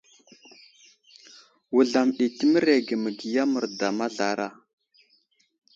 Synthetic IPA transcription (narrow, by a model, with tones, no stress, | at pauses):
wu˨ɮa˨mɗi˨tə˦mə˦ɾe˨ɡə˨mə˨ɡi˨ja˦mə˨ɾda˨ma˦ɮa˨ɾa˦˨